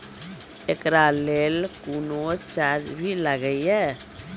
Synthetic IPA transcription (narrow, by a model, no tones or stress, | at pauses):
ekɾaleːlkuːnot͡ʃaɾd͡ʒbʱiləɡəiɦɛː